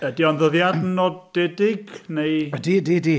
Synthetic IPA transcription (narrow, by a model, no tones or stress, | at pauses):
ədiɔnðəðjadnɔdːɛdɪɡnejdiːdiːdi